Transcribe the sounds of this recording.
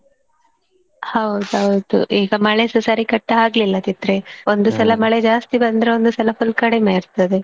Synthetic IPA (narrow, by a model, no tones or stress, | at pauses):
hɐwd̪ɐwd̪ṵʔiːɡɐmɐɭesusaɾikɐʈːɦaːɡlilːɐt̪it̪ɾeo̞nd̪usɐlɐmɐɭed͡ʒaːst̪ibɐnd̪ɾeond̪usɐlɐpʰulkɐɽemeːɾt̪ɐd̪e